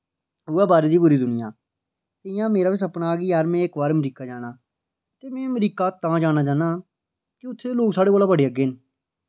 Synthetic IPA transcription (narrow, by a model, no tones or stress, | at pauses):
ʊɛːbaːɾeːd̪iːbʊɾiːd̪ʊnɪjã̰ː | t̪ɪjãːmeːɾaːʋɪsəpɽaːɡiːaːɾmɛ̃ːɪkbaːɾmɾiːkaːd͡ʒaːɽ̃aː | t̪eːmɛ̃ːməɾiːkaːt̪ãːd͡ʒaːñaːd͡ʒaːnaː | kɪʊt̪ʰːeːloːksaːɽeːboːlaːbəɽiːəɡeːn